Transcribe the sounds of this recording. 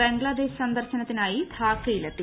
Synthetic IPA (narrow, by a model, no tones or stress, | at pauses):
e̞ŋɡɭad̪e̞ːɕsɐnd̪ɐrɕɐnɐt̪ːinaːjid̪ʱaːkːɐjilɐt̪ːi